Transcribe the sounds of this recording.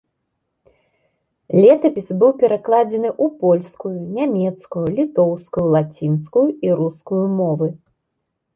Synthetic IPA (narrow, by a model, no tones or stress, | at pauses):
lʲɛt̪ɐpʲisbɨwpʲɛɾaklˠad͡zʲɛnɨʔupɔlʲskujunʲamʲɛt̪skujulʲit̪ɔwskujulˠat͡sʲinskujuiɾuskujumɔvɨ